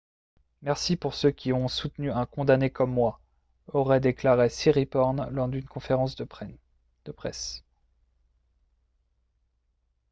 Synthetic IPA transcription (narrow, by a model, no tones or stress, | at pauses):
mɛʁsipuʁsøkʲiɔ̃sut̪nyɛ̃kɔ̃d̪anekɔmːwa | ɔʁɛd̪eklaʁesiʁipɔʁnlɔʁd̪ynkɔ̃feʁɑ̃s | d̪̥əpχɛ̰s